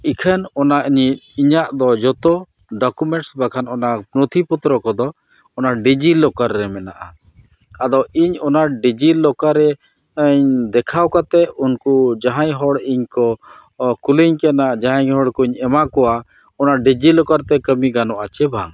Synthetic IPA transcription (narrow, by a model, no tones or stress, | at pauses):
ikʰənɔnaʔiɲiiɲaʔd̪ɔd͡ʒɔt̪ɔ | ɖɔkumɛɳʈsbakʰanɔnapɾɔt̪ʰiput̪ɾɔkɔd̪ɔ | ɔnaɖid͡ʒilɔkaɾːɛmɛnaʔa | ad̪ɔiɲɔnaɖid͡ʒilɔkaɾɛ | əɲd̪ɛkʰawkat̪ɛunkud͡ʒaɦãɲɦɔɽiɲkɔ | kuliɲkɛnad͡ʒaɦaɲhɦɔɽkuɲɛmakɔwa | ɔnaɖid͡ʒilɔkaɾt̪ɛkəmiɡanɔʔat͡ʃɛbʱa̰ŋ